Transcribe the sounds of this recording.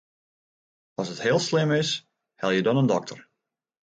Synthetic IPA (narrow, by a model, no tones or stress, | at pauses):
ɔsəthɪəlˠslɪmɪs | hɛlˠjədɔnəndɔk̚tʰər